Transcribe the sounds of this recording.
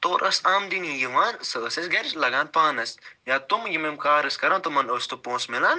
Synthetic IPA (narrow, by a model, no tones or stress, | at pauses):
t̪oːɾʔɐsaːmd̪inijiʋaːnsəsɐsɡɐɾt͡ʃlɐɡaːnpaːnɐsjaːt̪umjimemkaːɾɐskɐɾãːt̪umɐnoːst̪upõːsmilaːn